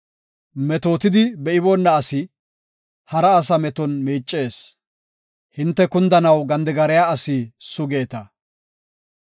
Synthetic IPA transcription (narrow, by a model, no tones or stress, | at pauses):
mɛt̪o̞ːt̪ɪd̪ɪbɛɪbɔnːɐːsɪ | hɐɾɐːs̬ɐmɛt̪ɔnmiːt͡ʃʼːe̞ːs | hɪnt̪ːɛkʊnd̪ɐnɐwɡɐnd̪ɛɡɐɾɛjaːɐsisʊɡe̞ːt̪ɐ